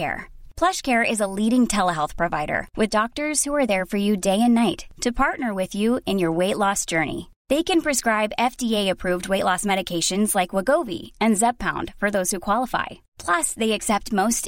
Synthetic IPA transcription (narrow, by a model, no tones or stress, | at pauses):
ɛ̰ɹpʰl̥ʌʃkʰɛɹɪzəliɾɪ̃ŋtʰɛlˠəɦɛlˠθpʰɹ̥ɨvaɪɾə̰˞wʔɨðdɔk̚tə˞z̥huə˞ðə˞fə˞jɨdeɪɨ̃nːaɪtʰɨpʰɑɹtⁿnə˞wɪðjʉɨ̃njə˞weɪʔˡlɔsd̥ʒ̥ɜ˞nḭ | ðeɪkɨ̃npʰɹ̥ɨskɹaɪbɛfdieɪɨpʰɹ̥ʉvd̚weɪʔˡlɔsmɛɾɨkʰeɪʃɨ̃nzlaɪkwəɡoʊvḭɨ̃nzɛb̚pʰãʊ̃nd̥fə˞ðoʊz̥hukʰw̥ɑlˠəfa̰ɪ | pʰl̥ʌsðeɪɨksɛp̚t̚moʊst